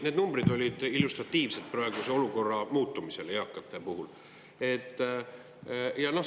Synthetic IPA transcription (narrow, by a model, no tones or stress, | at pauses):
ne̞d̪numb̥rid̪o̞lʲid̪̥ilːust̪rɑt̪ːˑiːvse̞d̪̥̚prɑeɡ̥use̞o̞luko̞rːɑmuːt̪ːˑumise̞lejɑkːˑɑt̪ːˑe̞puɦul | e̞t̪ːˑ | jɑno̞h